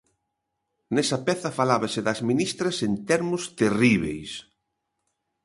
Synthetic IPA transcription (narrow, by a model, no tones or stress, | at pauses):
nɛsɐpɛθɐfalaβasɪðɐzmĩnist̪ɾɐsent̪ɛɾmʊst̪eriβḛjs